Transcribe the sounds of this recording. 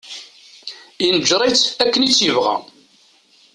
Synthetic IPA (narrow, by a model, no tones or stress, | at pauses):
inəd͡ʒɾˤɑt͡sːækːənit͡sːjəvʁæ̰